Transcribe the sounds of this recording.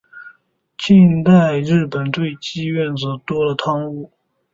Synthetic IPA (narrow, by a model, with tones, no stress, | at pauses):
t͡ɕʰi˥˧ŋt̪a˥˧ɪɻɻ̩˥˩pə˨˩nt̪we˥˩ɪt͡ɕi˥ɥɛ˥˩nt͡sɤ˨˩t̪wɔ˥lə˨t̪ʰɑ˥ŋu˥˩